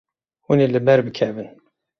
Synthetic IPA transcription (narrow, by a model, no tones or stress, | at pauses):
winilːəmːæɾbəkʰævən